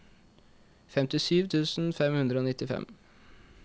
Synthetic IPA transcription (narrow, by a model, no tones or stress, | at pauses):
fɛmt̪ɪsyːʋt̪ʰʉːsn̩fɛmhʉnd̪ɾəoːnɪt̪ːɪfɛ̰m